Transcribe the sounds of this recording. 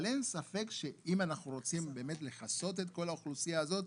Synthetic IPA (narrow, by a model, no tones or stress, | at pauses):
le̞nsafe̞kʃe̞imanaχnuʁo̞t͡simbe̞ːme̞tle̞χaso̞t̬e̞t̪̚ko̞lauχlusijaːzo̞t̪